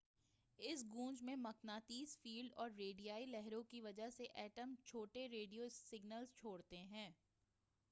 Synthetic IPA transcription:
ɪsɡũːd͡ʒmẽmɐknaːt̪iːzfiːlɖɔːɾːeːɖijaːilɛɦɾõkiʋɐd͡ʒəɦseʔɛːʈəmt͡ʃʰoːʈeɾeːɖijosɪɡnəlzt͡ʃʰoːɽt̪eɦɛ̃ː

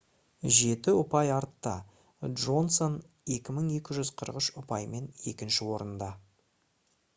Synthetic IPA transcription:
ʒe̞t̪ɪʊpɑjɑɾt̪ːɑ̰ | dʒo̞nso̞n | e̞kʲɪməɴe̞kʲɪʒʏzqʰəɾəqəʃʊpɑjme̞ne̞̰kʲɪnʃɪwo̞ɾənd̪ɑ

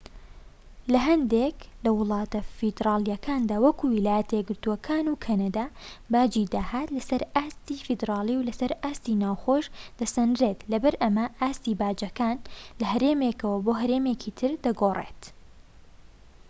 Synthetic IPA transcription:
lɐɦɐnd̪eklɐwʊlˠɑːt̪ɐfid̪ɾɑːlˠijɐkʰaːnd̪aːwɐkuwilaːjɐt̪ɐjɛɡɨɾt̪uwɐkʰaːnukʰɐnɐd̪abaːd͡ʒid̪aːhaːt̪lɐsɐɾaːst̪iːfɨd̪ɾɑːlˠiːwlɐsɐɾaːst̪iːnaːwxoːʒd̪̥ɐsɐnd̪ɾet̪lɐbɐɾʔɐmɐʔaːst̪iːbaːd͡ʒɐkaːnlɐɦɐɾeːmekɐwɐboɦɐɾeːmeːkʰiːt̪ʰɨɾd̪ɐɡoːrḛt̪

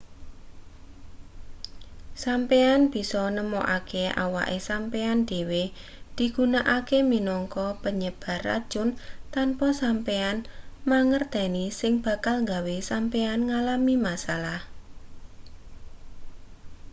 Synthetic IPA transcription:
sampeanb̥i̤sɔnəmɔʔakea̰wa̰ʔesampeand̪̥e̤we | d̪̥i̤ɡ̥unaʔakeminɔŋkɔpəɲəb̥a̤ra̰d̥ʒ̥ʊ̤nt̪anpɔsampeanmaŋərd̪̥a̤nisɪŋb̥ä̤kalŋɡawesampeanŋalamimasalah

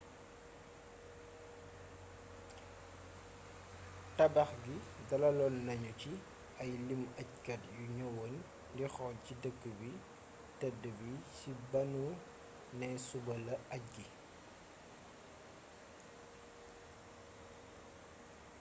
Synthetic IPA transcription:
tɐbɐxɡidɐlɐlɔnːɐɲuci | ɐjlimɐckɐtjuɲɔwon | ndixɔlcidəkːəbi | tɛdəbicibɐnu | nɛsubɐlɐʔɐc̚ɡi

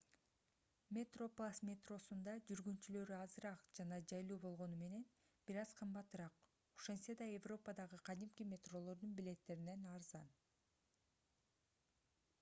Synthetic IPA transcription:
mʲet̪ro̞plˠasmʲet̪ro̞sund̪ɑd͡ʒyɾɡyntt͡ʃylø̞ɾyɑzɯɾɑqd͡ʒɑnɑd͡ʒɑjlˠuːbo̞lˠʁo̞nume̞ne̞n | b̥iɾɑz̥qʰɯmbɑt̪ɯɾɑq | oʃensed̪ɑevro̞pəd̪ɑʁɯqʰɑd̪imkʲimʲe̞t̪ro̞lˠo̞ɾd̪unbile̞t̪ːe̞ɾine̞nɑɾzɑn

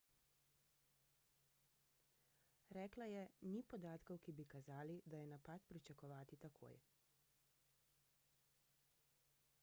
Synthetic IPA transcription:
ɾɛːklajɛnipɔd̪aːt̪kɔwkibikazaːlid̪ajɛnapaːt̪pɾit͡ʃakɔʋaːt̪it̪akʰo̰ːj

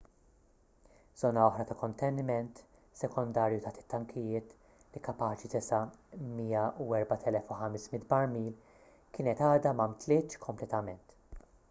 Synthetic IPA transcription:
z̥ɔːnɐɔħɾɐt̪ɐkɔnt̪ɛnːɪmɛnt̪ | sɛkɔnd̪ɐːɾjut̪ɐħt̪ɪ̥t̪ːɐŋkʰɪjɪːt̪ | likɐpɐːt͡ʃit̪ɛsɐmiːɐuɛɾbɐt̪ʰɛlɛfuħɐmɛsmɪt̪bɐɾmiːl | kɪːnɛt̪ɐːd̪ɐmɐmt̪lɪːt̪kʰɔmplɛt̪ɐmɛnt̪

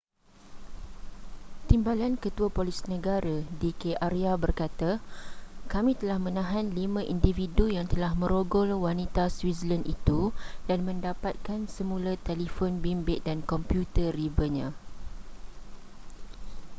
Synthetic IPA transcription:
t̪imbalankət̪uapolisinə̃ɡaɾadikeʔariabərkat̪a | kamĩt̪əlahmə̃nãɦanlimãʔindividujaŋt̪əlahmə̃ɾoɡɔlwanit̪aswisələnʔḭt̪udanmə̃ndapat̪̚kansəmũlat̪elifonbimbɪʔ̚dankɔmpjut̪əribəɲã

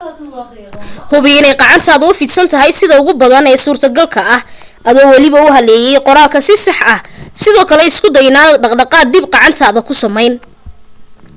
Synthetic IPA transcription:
hʊβɪɪnɛjqɑʕɑnt̪ʰaːðɐʊfiːd̪sɐnt̪ʰɐɦɛjsɪðɐʊɣʊbɐðɐnɛːsuːrt̪ʰɐɡɐlkʰɐɐh | ʔɐðɔːwɑlɪβɐʊɦɐlɛːjɛjqɔɾaːlkʰɐsɪsɑħɐhsɪðɔːkʰɐlɛɪskʰʊd̪ɐjnaːɖɑqɖɑqɑːd̪ibqɑʕɑnt̪ʰaːðɐkʰʊsɐmɛjn

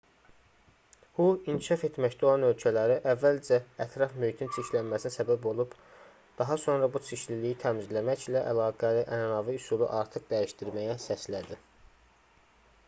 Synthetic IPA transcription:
buinkʰiʃɑfe̞t̪mæct̪æo̞lˠɑnø̞lcʰælæɾiʔævːæld͡ʒæːt̪ʰɾɑfmyjt̪ʰint͡ʃʰiçlænmæsinisæbæbo̞lˠub̥ | d̪̥ɑɦɑso̞nɾɑbut͡ʃʰiʃlilijit̪ʰæmizlæmæçlæʔælɑːɡæliʔænnɑviusulˠṵʔɑɾt̪ʰɯqd̪æjiʃt̪iɾmæjæsæslæd̪i

